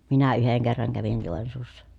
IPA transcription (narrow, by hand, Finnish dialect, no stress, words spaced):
minæ yheŋ kerːɑŋ kæʋin joˑensuːsːɑ